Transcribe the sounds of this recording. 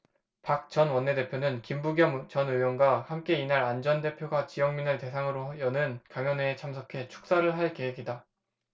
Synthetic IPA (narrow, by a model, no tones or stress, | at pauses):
pak̚t͡ɕʌnwʌnːe̞de̞pʰjonɯnkimbuɡjʌt͡ɕʌnɯjʌnɡwahamk͈e̞inaɾand͡ʑʌnde̞pʰjoɡat͡ɕijʌŋminɯte̞sʰaŋɯɾojʌnɯnkjaŋjʌneːt͡ɕʰamsʰʌkʰe̞t͡ɕʰu̥k̚s͈aɾɯɭɦaɭke̞ɦe̞ɡida